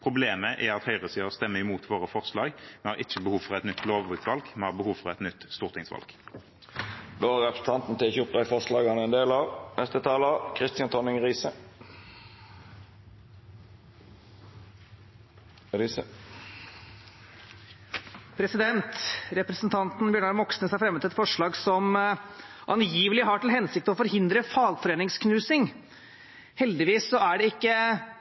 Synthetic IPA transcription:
pʰʁʊbleːməʔɛɑt̪hœʏʁəsiːəʁst̪ɛmːəɪmuːt̪ʰʋoːʁəfɔʁslɑːɡmɛhɑːʁɪt͡ʃːəbəhuːfɔʁɛt̪nʏt̪ʰːloːʋʋʉːt̪ʋɑlɡmɛnhɑːʁbəhuːʋfɔʁɛt̪nʏt̪ːst̪uːʁt̪ʰɪŋsʋɑ̰lɡ̥ | d̪oːʁɛpɾəsn̩t̪ʰɑnt̪n̩t̪ʰɪçəʊp̚d̪æɪfɔʁslɑːɡɑnəɛnd̪eːlɑnʔɛst̪ət̪ʰɑːlɑkʰʁɪst̪ɪɑnt̪ʰɔnɪŋʁiːsə | ɾisə | pʰɾɛsɪd̪ɛnt̪ɾɛpɾɛsnt̪ʰɑnt̪n̩bjøːɳɑɾmɔksnəsæɾfɾɛmːət̪ɪlɛt̪fɔʂɭɑːɡsɔm | ʔɑnjiːʋəlɪɦɑːʈɪlɦɛnsɪk̚t̪əɔfɔɾɦɪnd̪ɾəfɑːlfɔɾeːnɪŋskʰnʉːsɪŋ | hɛld̪ɪʋiːsːɔæɖɛɪkːə

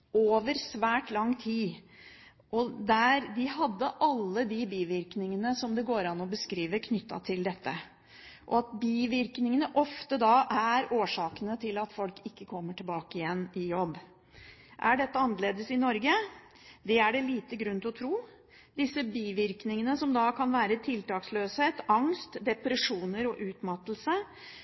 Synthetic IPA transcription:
ʔoːʋəɾsʋæːʈlɑŋːt̪ʰiː | ʔɔd̪æɾd̪ɪɦɑd̪ːəʔɑlːəd̪ɪbiːʋɪɾknɪŋənəsɔmd̪ɛɡoːɾɑnːɔbəskɾiːʋəɾkʰnʏt̪ːɑ̰t̪ʰɪld̪ɛt̪ːə | ʔɔ̰ɑt̪̚biːʋɪɾknɪŋənəʔɔft̪əd̪ɑʔæɾoːʂɑːkənət̪ʰɪlɑt̪fɔlkɪkːəkʰɔmːəʈʰɪlbɑːkəɪjɛnːɪjɔbː | ʔæɖɛt̪ːəɑnːəleːd̪əsɪnɔɾɡə | d̪ɛæɖɛliːt̪əɡɾʉnt̪ʰɪɔt̪ʰɾuː | d̪ɪsːəbiːʋɪɾknɪŋənəsɔmd̪ɑkʰɑnʋæːɾət̪ʰɪlt̪ɑːksløːsheːt̪ɑŋst̪d̪ɛpɾəʂuːnəɾɔʔʉːt̪mɑt̪l̩sə

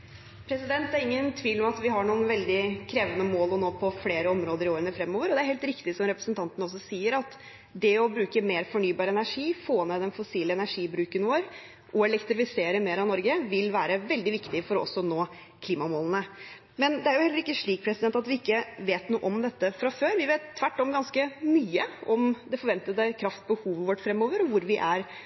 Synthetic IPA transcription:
pʰɾɛsɪd̪ɛnt̪æɾɪŋːənt̪ʰʋiːlɔmɑt̪ʋɪɦɑɳuːənʋɛld̪ɪkʰɾeːʋənəmoːlɔnoːpʰɔfleːɾəɔmɾoːd̪əɾɪoːɾənəfɾɛmːoːʋəɾɔd̪ɛæɾheːlt̪ɾɪkt̪ɪsɔmɾɛpɾə̥snt̪ʰɑnt̪ənəɔs̬ːɔsiːəɾɑt̪ | d̪ɛɔbɾʉːkəmeːɾfɔɳyːbɑːɾɛnæʂiːfoːneːd̪ɛnfʊsiːləɛnæʂiːbɾʉːkənʋoːɾ | ʔɔɛlɛkt̪ɾɪfɪseːɾəmeːɾɑnɔɾɡəʋɪlʋæːɾəʋɛld̪ɪʋɪkt̪ɪfɔɾɔɔ̰sːɔnoː | kʰliːmɑmoːlən̩ə | mɛnd̪ɛæɾjʊhɛlːəɾɪkːəʂɭiːk̚pʰɾɛsɪd̪ɛnt̪ɑt̪ʋɪɪkːəʋeːt̪nuːʔɔmd̪ɛt̪ːəfɾɑføːɾʋɪʋeːt̪ʰːʋæʈːɔmɡɑnskəmyːəɔmd̪ɛfɔɾʋɛnt̪ət̪əkʰɾɑft̪̚bəhuːʋəʋɔʈfɾɛmːoːʋəɾɔʋʊɾʋɪʔæɾ

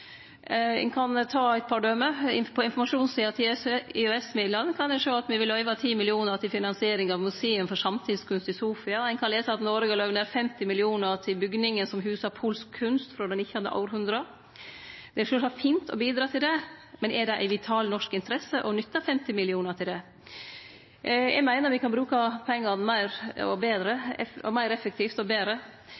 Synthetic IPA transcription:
ɛ̰ɪnkʰɑnt̪ʰɑːæɪt̪pʰɑɖœməɪpʰɔɪnfɔɾmɑʂuːnsiːɑt̪ʰɪɪøɛsmɪːd̪lɑnːkʰɑnd̪ɛʂoːɑt̪ʋɪʋɪlœʏʋɑt̪ʰiːmɪlɪuːnəɾt̪ɪlfɪnɑnsɪeːɾɪŋɑʋmʉsɛːənfɔɾʂɑmt̪ʰiːskʉnst̪ɪsuːfɪɑæɪnkʰɑnleːsəɑt̪nɔɾəɡɑlɑʋneːɾfɛmt̪ɪmɪlɪuːnəɾʈ̪ʰɪlbʏɡnɪŋənsɔmɦʉːsɑɾpʰuːlskʰːʉnst̪fɾɔd̪ɛnɪçːəhɑd̪ə̰ʔɑ̰ʊɾhʉnd̪ɾə | d̪ɛʂøːʂɑfiːnt̪ʰɔ̰biːd̪ɾɑːt̪ʰɪld̪ɛmɛnɛɖɛʔæ̰ɪʋɪt̪ʰɑːlnɔʂkɪnt̪əɾɛsːəʔɔnʏt̪ːəfɛmt̪ɪmɪlɪuːnəɾʈʰɪld̪ɛ | jæ̰ɡmæɪnəɾʋɪkɑnbɾʉːkɑpʰɛŋːɑnmæɪɾɔ̰beːd̪ɾəmæɪɾɛfək̚t̪ʰift̪ɔbeːɾə

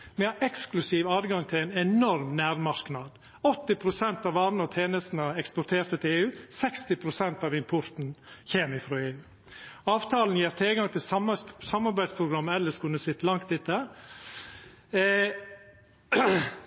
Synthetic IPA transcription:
mɛɑʔɛksklʉsiːʋɑːdɡɑŋt̪ʰɪlæɪnɛnɔɾmnæːɾmɑɾknɑːd̪ | ɔt̪ːɪpʰɾʊsɛnt̪ɑʋɑːɾnəɔt̪ʰeːnəst̪n̩əɛkspɔɾt̪ʰeːɾt̪ət̪ʰɪleːʉːsɛkst̪ɪpʰɾʊsɛnt̪ɑːʋɪmpʰɔɾt̪n̩çeːmɪfɾoːeːʉː | ɑːʋt̪ʰɑːln̩jeːɾt̪ʰɪlɡɑŋt̪ʰɪlssɑmɑɾbæɪd̪spʰɾʊɡɾɑmːəɛlːəʂkʰʉnːəsɪt̪ːəlɑŋkt̪ɪt̪ːə

